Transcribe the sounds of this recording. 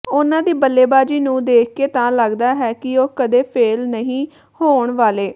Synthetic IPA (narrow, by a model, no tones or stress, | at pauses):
ʊnãːd̪iːbəlːeːbaːd͡ʒiːnũːd̪eːk̚ʰkeːt̪ãːləɡd̪aːɦɛːkɪoːkəd̪eːpʰeːlnəɦĩː | hoːɳʋaːleː